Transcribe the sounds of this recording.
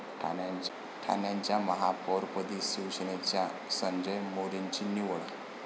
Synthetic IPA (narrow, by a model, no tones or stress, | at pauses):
ʈʰaa | ʈʰa̰njaɲt͡ɕjaməɦapɔɾpəd̪isiwɕnet͡ɕjasə̃ɲd͡ʑəjmoɾeɲt͡ɕiniʋɭa